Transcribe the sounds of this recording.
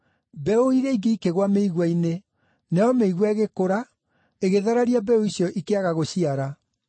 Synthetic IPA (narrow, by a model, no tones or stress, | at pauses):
bɛoiɾeiɡeikeɣwameiɣwaine | nɛɔmeiɣwaɣekoɾa | eɣeðaɾaɾiabɛoisjɔʔikeaɣaɣoɕiaɾa